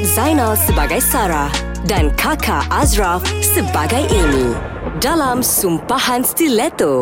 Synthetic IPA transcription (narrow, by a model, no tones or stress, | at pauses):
zajnalsəbaɡajsaɾah | dankʰakʰaʔazɹafsəbaɡajʔemi | dalamsumpahãnst̪ilɛt̪o